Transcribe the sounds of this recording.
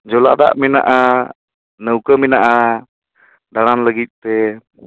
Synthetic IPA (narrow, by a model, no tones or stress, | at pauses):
d͡ʒɔla̰d̪a̰ʔmina̰ʔa | nəwkəminaʔa | d̪aɽanləɡit̪̚ˀt̪ɛ